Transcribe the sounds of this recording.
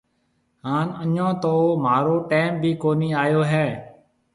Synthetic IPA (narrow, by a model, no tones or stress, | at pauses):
ɦaːnəɲõːt̪oːmaːɾoːʈeːmbʱiːkoːniːaːjoːɦɛː